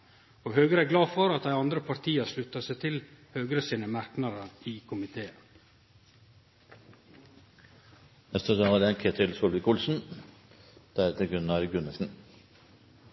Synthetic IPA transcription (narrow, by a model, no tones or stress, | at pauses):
oːɦøːɡəɾəæɡlɑːfɔɾɑt̪̚d̪æɪɑnd̪ɾəpʰɑɾt̪ʰiːəslʉt̪ːɑsæɪt̪ʰɪlhøːɡəɾəsiːnəmæɾknɑɾəiːkʰʊmɪt̪ʰeːə | nɛst̪ədɑɑd̪ɛɛnkʰeːt̪ʰɪlsɔlbɪkʰʊlsn̩ | d̪̥æɾt̪ʰɪlɡɾʉnɑɾɡʉnəsn̩